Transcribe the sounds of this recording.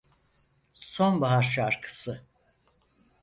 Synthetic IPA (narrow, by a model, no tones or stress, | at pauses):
sonbaɦaɾʃaɾkʰɯ̥sɯ